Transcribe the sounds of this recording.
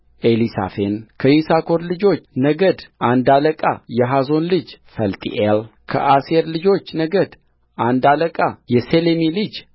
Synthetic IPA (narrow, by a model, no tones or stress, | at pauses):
ʔelisa̰fenkʰəjisakʰo̞ɾlɨd͡ʒo̞t͡ʃːnəɡəd̪ʔand̪aləkʼa̰jɛɦazo̞nlɨd͡ʒfəlt̪ʼḭʔelkʰə̰ʔaseɾlɨd͡ʒo̞t͡ʃːnəɡəd̪ | ʔand̪aləkʼajɛselemilɨd͡ʒ